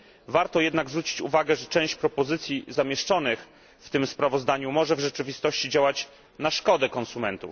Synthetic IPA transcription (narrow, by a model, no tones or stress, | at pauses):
vaɾt̪ɔjɛd̪naɡzvɾut͡ɕi̥t͡ɕṵvaɡɛʐɛt͡ʂɛ̃w̃ɕt͡ɕpɾɔpɔzɘt̪sʲjizamʲjɛʂt͡ʂɔnɘx | ft̪ɘmspɾavɔzd̪aɲumɔʐɛvʐɛt͡ʂɘvʲist̪ɔɕt͡ɕid͡ʑawat͡ɕ | naʂkɔd̪ɛkɔnsumɛnt̪uf